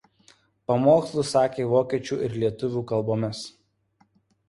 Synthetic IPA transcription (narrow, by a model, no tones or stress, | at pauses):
pɐmoːkslˠʊsɑːkʲeːʋoːkʲiɛt͡ʃʲuːˑʔɪɾlʲiɛt̪ʊʋʲuːkɐlˠboːmʲɪs